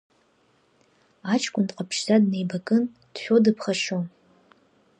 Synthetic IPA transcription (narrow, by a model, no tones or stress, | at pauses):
at͡ʃʰʼkʷʼʊndqʼapʰʃzadne̞jbakʼɨn | d̥ʃʷᶣodɨpʰχaʂon